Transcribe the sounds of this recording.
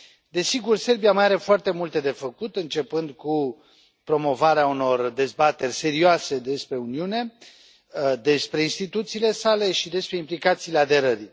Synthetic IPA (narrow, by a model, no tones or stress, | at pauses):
d̪e̞siɡurse̞rbijamaaɾe̞foart̪e̞mult̪e̞d̪e̞fəkut̪ɨnt͡ʃe̞pɨnd̪ku | pɾo̞mo̞vaɾeauno̞rd̪e̞zbat̪e̞rʲse̞ɾioase̞d̪e̞spɾe̞uniune̞ | d̪e̞spɾe̞inst̪it̪ut̪siːle̞sale̞ʃid̪e̞spɾe̞implikat̪siːle̞ad̪e̞ɾəɾi